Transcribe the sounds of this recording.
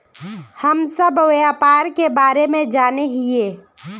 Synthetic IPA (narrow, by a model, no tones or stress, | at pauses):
həmsəbʱʋjaːpaːɾkebaːɾemẽd͡ʒaːneɦieː